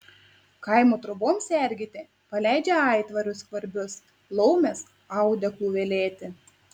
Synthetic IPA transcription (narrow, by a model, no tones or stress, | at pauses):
kɐɪmoːt̪ɾʊboːmsʲɛˑɾʲɡʲɪt̪ʲe | pɐlʲæˑɪd͡ʒʲɛɑˑɪt̪ʋɐɾʲʊskʋɐɾʲbʲʊs | lˠɔʊmʲɛs | ɑˑʊd̪ʲɛklˠuːʋʲelʲeːt̪ʲɪ